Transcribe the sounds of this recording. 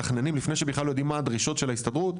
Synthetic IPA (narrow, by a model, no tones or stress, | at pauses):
aχnenimlifneʃebeχlalojod̪imːad̪ʁiʃo̞tʃe̞laist̪adʁut̪